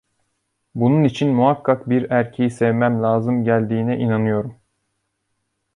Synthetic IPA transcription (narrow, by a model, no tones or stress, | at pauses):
bununit͡ʃʰinmuɦakʰːakbiɾæɾcʰe̞jisɛvmæmlʲaːzɯmɟælʲd̪iːnɛʔinanɯjo̞ɾum